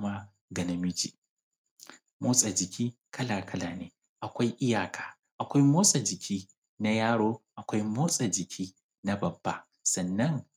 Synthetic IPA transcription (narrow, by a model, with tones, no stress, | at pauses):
ma˦ | ɡɐ˨nɐ˨mɪ˦d͡ʒḭː˨ | moː˦sʼa˨d͡ʒɪ˨kʲiː˦ | kʰɐ˦laː˨kʰɐ˦laː˨neː˦ | ʔa˨kʷa˦jʔɪ˦jaː˨kʰaː˨ | ʔa˨kʷa˦jmoː˦sʼa˨d͡ʒɪ˨kʲʰiː˦ | na˦jaː˦ɽoː˦ʔa˨kʷa˦jmoː˦sʼa˨d͡ʒɪ˨kʲʰiː˦ | na˦bɐ˨bːa̰ː˦ | sɐ˨nːɐ˦ŋ